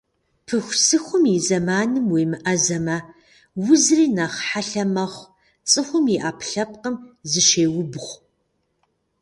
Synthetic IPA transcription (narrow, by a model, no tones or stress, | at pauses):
pʰɨxʷsɨxʷʊmjizɐmaːnɨmweːmɨʔɐzɐmɐ | wʊzriːnɐχħaɬɐmɐχʷ | t͡sʼɨxʷʊmjiʔaːpʰɬɐp̚qəmzɨʃeːwʊbχʷ